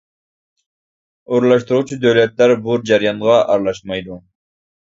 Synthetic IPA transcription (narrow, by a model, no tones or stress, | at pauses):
oɾlˠɑʃt̪uɾʁut͡ʃʰud̪øwlɛt̪læɾbuɾd͡ʒɑɾijɑnʁɑʔɑɾlˠɑʃmɑjd̪u